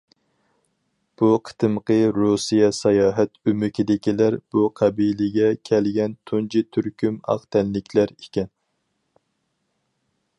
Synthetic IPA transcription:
b̥uqʰə̥t̪ʰɨmqʰəɾusijɑsɑjɑːɦɛt̪ymɪkʲid̪ɪkʲilæɾb̥uqʰæbilɪɡʲɛkʲʰɛlɡʲɛnt̪ʰunt͡ʃʰit̪ʰyɾkʲymɑ̰χt̪ʰɛnːɪkʲʰlæɾekʲɛn

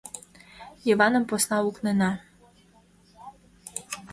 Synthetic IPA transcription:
jivɑnə̆mposnɑuknenɑ

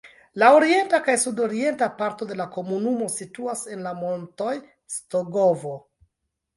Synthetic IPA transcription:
laoɾie̞ntakajsudo̞ɾie̞ntapaɾto̞de̞lako̞munumo̞situase̞nlamo̞nto̞j | stoɡo̞vo

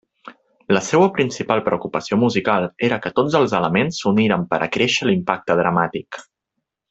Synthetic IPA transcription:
ləsewəpɾinsipalˠpɾəukupəsiomuzikalˠeɾəkət̪od͡zəlˠzələmensuniɾəmpəɾʔə̰kɾeʃəlimpak̚t̪əðɾəmat̪ik

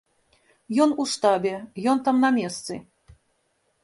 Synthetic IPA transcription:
jɔnuʂt̪abʲɛjɔnt̪amnɐmʲɛst̪sɨ̰

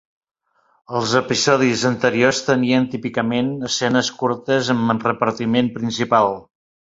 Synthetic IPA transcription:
əlˠzəpizɔðizənt̪əɾiost̪əniənt̪ipikəmenəsɛnəskuɾt̪əzəmənrəpəɾt̪imenpɾinsipalˠ

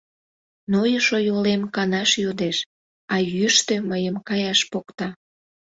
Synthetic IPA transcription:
nojəʃojolemkɑnɑʃjod̪eʃ | ɑjyʃt̪øməjəmkɑjɑʃpokt̪ɑ

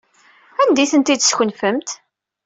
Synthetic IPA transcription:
ænd̪iθənt̪id̪sçənfəmt̪

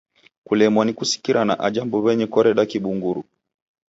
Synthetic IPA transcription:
kulɛmwanikusi̥kiɾanaʔad͡ʒambɔβɛɲɛkɔɾɛɗakiɓuŋɡuɾṵ

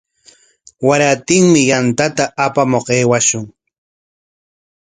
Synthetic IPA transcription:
waɾat̪ɪŋmɪjant̪at̪aʔapamoqeːwaʃʊŋ

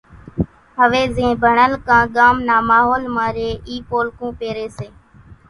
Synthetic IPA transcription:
ɦəʋeːzẽːbʱəɳəlkãːɠaːmnaːmaːɦoːlmaːɾeːʔiːpoːlkũːpeːɾeːseː

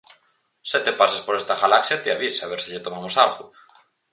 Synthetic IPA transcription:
set̪epasaspoɾest̪ɐɣalaksjat̪ɪaβisaːβeɾsɪʎet̪omamosalɣʊ

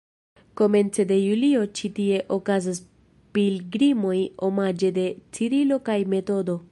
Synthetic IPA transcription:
ko̞me̞nt͡se̞de̞julio̞t͡ʃitie̞ʔokazas | pilɡɾimo̞jo̞mad͡ʒe̞de̞t͡siɾilo̞kajme̞to̞do̞

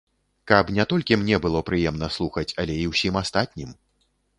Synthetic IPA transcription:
kɐpnʲɛt̪ɔlʲkʲimnʲɛbɨlˠɔpɾɨjɛmnɐslˠuxɐt͡sʲɐlʲɛiwsʲimast̪at̪ʲnʲim

